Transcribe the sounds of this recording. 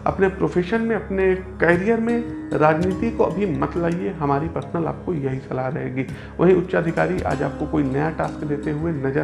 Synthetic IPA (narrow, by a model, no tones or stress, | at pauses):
ɐ̰pnepɾoːfʰeːʃənmẽɐpnekɛːɾijəɾmẽɾaːd͡ʒniːt̪ikoɐbʱimɐt̪laːieɦɐmaːɾipɾɐsənəla̰ːp̚kojɐɦisɐlaɾɐɦḛːɡiː | ʋɐɦĩʊtːʃaːd̪ʱɪka̰ːɾiʔa̰ːd͡ʒaːp̚kokoːinɐjaʈaːskd̪eːt̪eɦʊenɐd͡ʒə